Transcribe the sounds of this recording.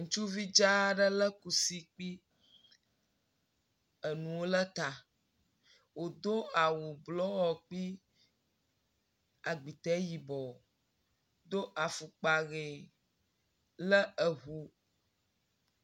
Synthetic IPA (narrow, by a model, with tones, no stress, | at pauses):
ŋũ˨˦t͡ʃu˦vi˦d͡ʒa˦ɖə˦lə˦ku˨si˦k͡pi˦ | ə˨nũ˨wo˦lə˦t̪a˨ | wo˨d̪o˦a˨wo˨blɔ˦wɔ˨k͡pi˦ | a˨ɡ͡bi˨t̪ɛ˨˦ji˨bɔ˨ | d̪o˦ʔa˨fu˨k͡pa˨ɣe˨ | lə˦ə˨ɦu˨